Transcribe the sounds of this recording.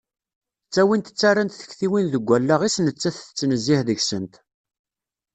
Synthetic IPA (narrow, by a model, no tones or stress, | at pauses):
t͡sːæwint̪ə̥t͡sːaɾant̪θə̥çθiwinðəɡʷːælːaʁisnət͡sːæθə̥t͡sːnəzːɪħðəçsənt̪